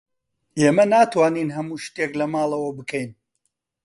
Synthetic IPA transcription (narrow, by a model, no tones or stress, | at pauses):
eːmɐnaːt̪waːninɦɐmuːʃt̪eklɐmaːlˠɐwɐbɨkʰɛjn